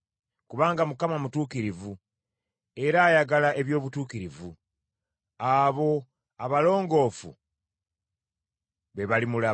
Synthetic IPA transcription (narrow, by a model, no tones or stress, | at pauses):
kuβaːŋɡamukamamutuːkiɾivu | e̞ɾaːjaɡalaʔe̞βjo̞ːβutuːkiɾivu | aβo̞ | aβalo̞ːŋɡo̞fṵ | βe̞βalimula